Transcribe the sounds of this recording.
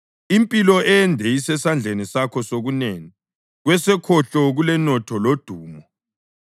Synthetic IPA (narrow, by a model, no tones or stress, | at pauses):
impʼilɔɛndʱɛisɛsand͡ɮʱenisakʰɔsoɣuneːŋi | ɣwɛsɛkʰɔɬɔɣulɛnɔtʰɔlod̥ʱuːmɔ